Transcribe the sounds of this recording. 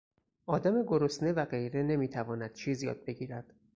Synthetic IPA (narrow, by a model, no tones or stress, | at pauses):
ʔɒːd̪æme̞ɡoɾosnevæɢe̞jɾe̞ne̞miːt̪ʰævɒːnæd̪̥̚t͡ʃʰiːzjɒ̰ːd̪̚be̞ɟiːɾæd̪̥